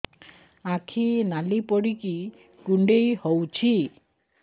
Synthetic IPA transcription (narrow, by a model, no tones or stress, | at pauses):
akʰinalipɔɽiki | kuɳɖejhowt͡ʃʰi